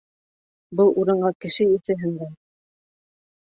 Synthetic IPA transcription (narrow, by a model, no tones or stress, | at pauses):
bɤlˠuɾɤ̆ɴɢɑkɘ̆ʃɘisɘ̆ɦɘ̆nd̪æn